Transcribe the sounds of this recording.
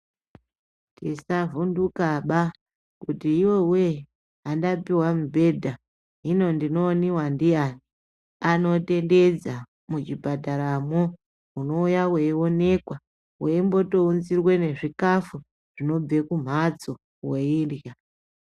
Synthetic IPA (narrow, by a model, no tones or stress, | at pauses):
tisavundukaɓa | kutiːwowe | ɦandapiwamubʱe̞dʱa | ɦino̞ndino̞ːniwandijani | ano̞te̞nde̞d͡za | mut͡ʃibʱadʱaɾamo | uno̞ujaweio̞ne̞kwa | weimbo̞to̞unzirwe̞ne̞ʐikafu | ʐ̥ino̞b͡ve̞kum̤at͡so | weiːrja